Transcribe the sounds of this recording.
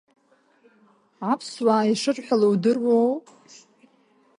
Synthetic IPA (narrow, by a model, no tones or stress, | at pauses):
apʰswaːiʂɨʈ͡ʂʼħʷᶣalowdɨrwow